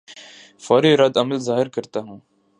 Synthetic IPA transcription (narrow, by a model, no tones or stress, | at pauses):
fɔːɾiɾɐd̪ɐməlzaːɦɪɾkɐɾt̪aɦũː